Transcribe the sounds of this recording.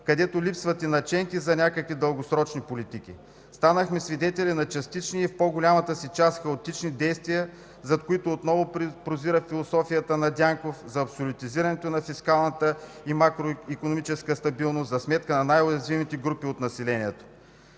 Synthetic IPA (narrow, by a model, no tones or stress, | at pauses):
kɐd̪ɛt̪olʲipsvɐt̪ɛnɐt͡ʃɛŋkizɐnʲakəkvid̪əlˠɡosɾɔt͡ʃnipolʲit̪ik̟ʲḭ | st̪anəxmɛsvid̪ɛt̪ɛlinɐt͡ʃɐst̪it͡ʃniifpoɡʊlʲamɐt̪əsit͡ʃast̪xɐot̪it͡ʃnid̪ɛjst̪vijə | zɐt̪̚koit̪oːt̪nɔvopɾoziɾəfilˠosɔfijət̪ənɐd̪ʲjaŋkofzɐːpsolʲʊt̪iziɾɐnɛt̪onɐfiskalˠnət̪ə | imakɾoikonomit͡ʃɛskəst̪ɐbilˠnost̪zɐsmɛt̪kənɐnajʊjɐzvimit̪ɛɡɾupiot̪nɐsilɛniɛt̪o̥